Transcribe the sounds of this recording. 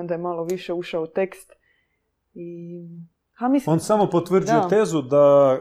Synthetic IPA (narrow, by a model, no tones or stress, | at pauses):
d̪ajemalˠoʋiʃeuʃaout̪e̞kst̪ | i | amisonsamopot̪ʋr̩d͡ʒijot̪ezud̪a